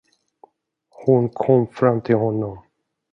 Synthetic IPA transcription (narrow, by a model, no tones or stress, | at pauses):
hʊnkʰɔmːfɾamːt̪ʰɪlhɔnːɔm